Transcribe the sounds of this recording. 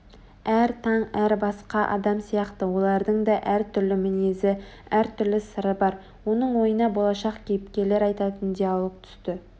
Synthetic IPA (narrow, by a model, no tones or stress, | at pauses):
æɾt̪ʰɑɴæɾbɑsqɑʔɑ̰d̪ɑmsijɑqt̪əwo̞lˠɑɾd̪əɴd̪ɑʔæɾt̪ʰʏɾlɪmɪne̞zɪ | æɾt̪ʰʏɾlɪsəɾəbɑɾ | wo̞nəɴwo̞jənɑbo̞lˠɑʃɑqkʲʰejɪpkʲe̞le̞ɾɑjt̪ɑt̪ənd̪ijɑlˠok̚t̪ʰʏ̥st̪ɪ